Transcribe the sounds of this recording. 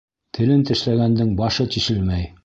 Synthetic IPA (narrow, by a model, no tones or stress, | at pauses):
t̪ʰɘ̆lɘnt̪ɘ̆ʃlæɡænd̪ɘŋbɑʃɤt̪iʃɘlmæj